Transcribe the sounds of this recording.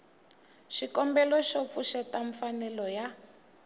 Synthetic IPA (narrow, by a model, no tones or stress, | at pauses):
ʃikɔmbɛlɔʃop̪fuʃɛtaɱfanɛlɔja